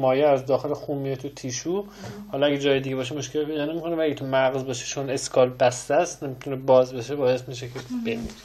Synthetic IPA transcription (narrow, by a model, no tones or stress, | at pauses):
mɒːjeæzd̪ɒːxe̞lexuːmijet̪ʰut̪ʰiːʃuː | hɒːlɒæɡed͡ʒɒːjed̪iɟebɒːʃ̬emoʃkʰelped̪ɒːne̞mikʰo̞nevææɡet̪ʰumæɣzbɒʃet͡ʃʰone̞skʰɒːlbæst̪æst̪nemit̪ʰunebɒːzbeʃebɒːje̞smiʃ̬ekʰeb̥emḭɾe̥